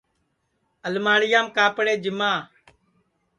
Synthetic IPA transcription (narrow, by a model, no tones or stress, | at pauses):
əlmaːɽɪjaːmkaːpɽeːd͡ʒɪmaː